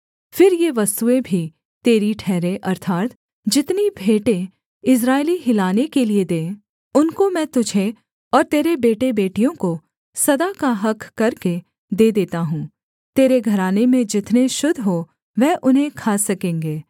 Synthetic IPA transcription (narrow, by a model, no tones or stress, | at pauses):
fɪɾjeʋɐst̪uebʱi | t̪eːɾiʈʰɛːɾẽʔɐɾt̪ʰaːt̪ | d͡ʒɪt̪nibʱeːʈẽ | ɪs̬ɾaːeliɦɪlaːnekelied̪ẽː | ʊnkomɛ̃ːt̪ʊd͡ʒʱe | ɔːɾt̪eːɾebeːʈebeːʈijõko | sɐd̪akaɦɐkʰːkɐɾke | d̪eːd̪eːt̪aɦũː | t̪eːɾeɡʱɐɾaːnemẽd͡ʒɪt̪neʃʊd̪ʱɦo | ʋɛːʔʊnɦẽkʰaːsɐkẽːŋɡeː